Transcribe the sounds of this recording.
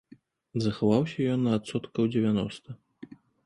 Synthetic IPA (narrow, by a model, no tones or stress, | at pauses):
zɐxavawsʲɐjɔnːɐːt̪sɔt̪kɐwd͡zʲɛvʲanɔst̪ɐ